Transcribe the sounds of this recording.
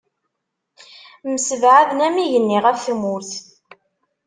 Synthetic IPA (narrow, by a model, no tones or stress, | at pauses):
məsəvʕaðnæmiʝənːiʁæfθmuɾθ